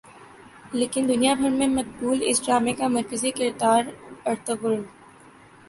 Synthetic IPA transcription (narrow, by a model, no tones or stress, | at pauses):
leːkɪnd̪ʊnijabʱɐɾmẽmɐt̪̚buːlɪ̰sɖɾaːmẽkamɐɾkəzikɪɾd̪aːɾɐɾt̪əbʊɾʊn